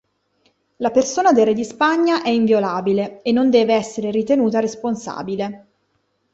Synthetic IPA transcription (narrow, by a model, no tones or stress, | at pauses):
lapersoːnad̪erːed̪ispaɲːaʔɛiɱvjolaːbileenːond̪ɛːveɛsːeɾeɾit̪enuːt̪aɾesponsa̰ːbile